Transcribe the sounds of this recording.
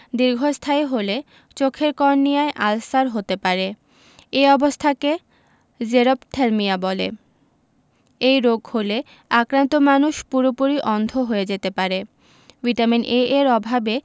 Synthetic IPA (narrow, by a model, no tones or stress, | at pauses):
d̪iɾɡʱost̪ʰajɦole | t͡ɕokʰeɾkɔɾnːijaeʔalsaɾɦot̪epaɾe | eɔbost̪ʰake | d͡ʑeɾopʈʰeɾmiabɔlḛ | ejɾoɡhole | akɾant̪omanuʃpuɾopuɾiʔɔnd̪ʱoɦojed͡ʑet̪epaɾe | biʈ̪aminʔeeɾɔbʱabe